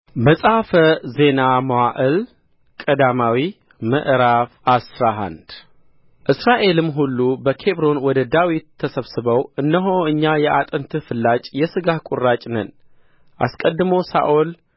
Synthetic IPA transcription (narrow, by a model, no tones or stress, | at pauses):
məsʼafəze̞naməwaʔɨl | kʼəd̪amawi | məʔɾafasɾaɦa̰nd̪ | ʔɨsɾaʔe̞lɨmɦulːubəkʰe̞βɾo̞nwɔd̪əd̪awit̪ʰːəsəβsɨβəwʔɨndəɦoɨɲːajɛʔat̪ʼənt̪ʰɨfɨlːat͡ʃʼjɛsɨɡahkʼʊrːat͡ʃʼnən | ʔa̰skʼəd̪ːɨmosa̰ʔol